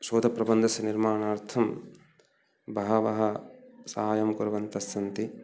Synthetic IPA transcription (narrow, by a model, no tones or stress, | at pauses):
ʃoːd̪ʱɐpɾɐbɐnd̪ʱɐsɐniɾmaːɳaːɾt̪ʰɐm | bʱɐɦɐʋɐɦɐsɐɦaːjɐmkuɾɐʋɐnt̪ɐsɐnt̪i